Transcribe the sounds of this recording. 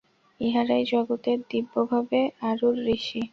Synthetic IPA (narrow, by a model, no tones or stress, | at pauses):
iɦaɾajd͡ʑɔɡot̪eɾd̪ibːobʱabeaɾuɾːiʃi